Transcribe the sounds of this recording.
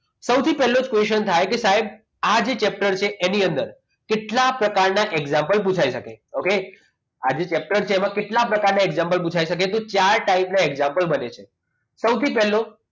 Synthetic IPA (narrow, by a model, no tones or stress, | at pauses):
səwt̪ʰipɛɦlod͡ʒkʋeʃənt̪ʰajkesaɦeb̚ | ad͡ʒet͡ʃɛp̚ʈəɾt͡ʃʰeʔeniənd̪əɾ | keʈlapɾəkaɾnaʔeɡzãmpəlp̬ut͡ʃʰaiʃəkeoke | ad͡ʒet͡ʃɛp̚ʈəɾt͡ʃʰeːmãkeʈlapɾəkaɾnaeɡzãmpəlp̬ut͡ʃʰaiʃək̬et̪ot͡ʃaɾʈaipnaeɡzãmpəlbənet͡ʃʰe | səwt̪ʰipɛɦlo